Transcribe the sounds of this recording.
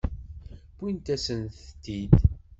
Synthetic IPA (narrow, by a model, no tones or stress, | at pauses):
b̥int̪æsənθt̪ːid̪